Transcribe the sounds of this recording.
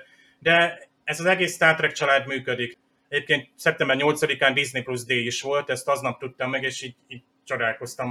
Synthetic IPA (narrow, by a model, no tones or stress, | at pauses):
d̪ɛ | ɛzɒzɛɡeːsːt̪aːrt̪rɛk̚t͡ʃɒlaːd̪myːkød̪ik | ɛɟeːp̚keːnt̪̚sɛp̚t̪ɛmbɛrɲo̞lt̪sɒd̪ikaːnd̪iznipluzd̪eːiʃʋo̞lt̪ɛst̪ɒznɒp̚t̪ut̪ːɒmːɛɡeːʃiːɟiːɟ̚ | t͡ʃo̞d̪aːlko̞st̪ɒm